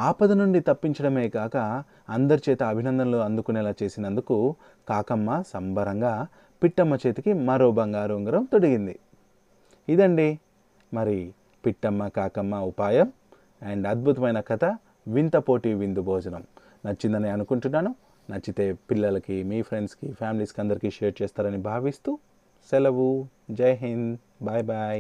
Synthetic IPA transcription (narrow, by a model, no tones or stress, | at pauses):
aːpɐd̪ɐnuɳɖit̪ɐpːiɲt͡ʃɐɽɐme̞ːɡaːkɐː | nd̪ɐɾit͡ʃɛːt̪ɐːbʱinɐnd̪ɐmloːɐnd̪ukunɛːlaːt͡ʃe̞ːsinɐnd̪uku | kaːkɐmːɐsɐmbɐɾɐŋɡaː | piʈːɐmːɐt͡ʃe̞ːt̪ikimɐɾoːbɐŋɡaːɾuːŋɡɐɾɐmt̪o̞ɽiɡind̪ḭ | id̪ɐɳɖi | mɐɾi | piʈːɐmːɐkaːkɐmːɐupaːjɐm | ɐɳɖɐd̪̚bʱut̪ɐmɐjnɐkɐt̪ʰɐ | ʋint̪ɐpo̞ːʈiʋind̪ubʱɔːd͡ʒɐnɐm | nɐt͡ʃːind̪ɐneːɐnukuɳʈunːaːnu | nɐt͡ʃːit̪e̞ːpilːɐlɐkimiːpʰɾe̞ɳɖskipʰaːmiliskɐnd̪ɐɾikiʃeːɾ̚t͡ʃɛːst̪aːɾɐnibʱaːʋist̪u | sɛlɐʋu | d͡ʒɐjɐɦin | bajbaj